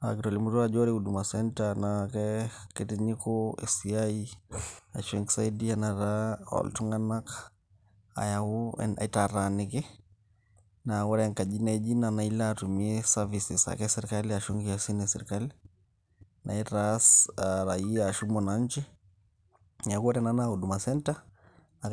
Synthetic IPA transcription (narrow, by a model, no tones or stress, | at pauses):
a̰kitɔlimuɾuad͡ʒɔɾihuɗumasɛntanakɛkɛtiɲikɔɛ̰siai | aʃɛŋksaidianaɾaɔ̰ltuŋanak | a̰jauɛ̰nʔa̰itaɾanɛkɛ | nawɔɾɛŋkaʄinaid͡ʒinanailaːtumiɛsavisisa̰kɛsɛɾikaliaʃuŋɡiasinɛsɛɾikali | nʔa̰itasaɾaiaːʃumɔnaɲt͡ʃi | akuɔtɛnanahuɗumasɛnta | na